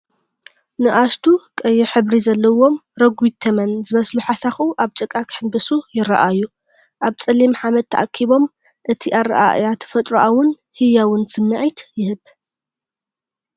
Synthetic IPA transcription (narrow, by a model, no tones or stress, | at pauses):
nɨʔast̪ʰukʼɐjːɛħɨβɾizɐlːɐwo̞mɾɐɡwit̪ʰːɐmɐnzɨmɐsluħasaxuʔaβt͡ʃʼɨkʼːakħɨnbɨsujɪɾɐa̰ʔaju | ʔaβt͡sʼɐlimħamɐd̪t̪ʰːɐ̰ʔakʰːiβo̞m | ʔɨt̪ʰiʔaɾɐ̰ʔa̰jat̪ʰɨ̥fɐt̪ʼɾuʔawʊn | hɨjawʊnsɨmːɨʕit̪jɪhɨβ